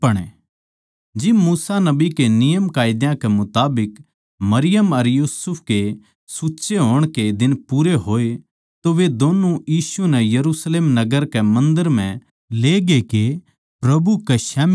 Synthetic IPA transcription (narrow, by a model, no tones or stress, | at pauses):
pɐɽ̃ḛ | d͡ʒɪbmuːsanɐbikenɪjəmkaːɪd̪jãkɛmʊt̪aːbɪk | mɐɾɪjəmɐɾjuːsʊpʰke | suːtːʃeɦoːɽ̃ked̪ɪnpuːɾeɦoːe | t̪oʋed̪oːnujiːsunɛjɐɾusleːmnɐɡəɾkɛmɐ̃nd̪əɾm̤ɛ̃ | leːɡeke | pɾɐbukeʃɛːm